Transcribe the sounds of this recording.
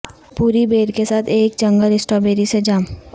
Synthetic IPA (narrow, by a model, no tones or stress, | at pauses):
puːɾibeːɾkesaːt̪ʰeːk̚t͡ʃɐ̃ŋɡəlɪsʈɔbeːɾised͡ʒaːm